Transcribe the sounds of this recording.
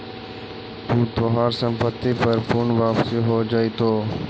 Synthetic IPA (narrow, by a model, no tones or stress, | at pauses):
ɦuːt̪ʰoɦaːɾsəmpət̪iːpəɾpʊɳʋaːpsiːɦoːd͡ʒaːiːt̪ʰoː